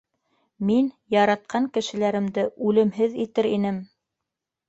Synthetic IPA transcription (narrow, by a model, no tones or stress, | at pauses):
min | jɑɾɑt̪̚qʰɑŋkɘ̆ʃɘ̆læɾɘ̆md̪ɘʔʉlɘ̆mɦɘðit̪ɘɾinɘm